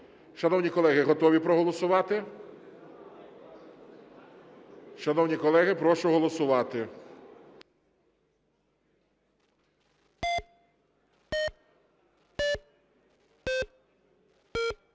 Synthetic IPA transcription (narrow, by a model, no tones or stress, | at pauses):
ʃɐnɔwnʲikɔlˠɛɦɪɦɔt̪ɔʋʲipɾɔɦɔlˠɔsʊʋɑt̪ɪ | ʃɐnɔwnʲikɔlˠɛɦɪpɾɔʃʊɦɔlˠɔsʊʋɑt̪ɪ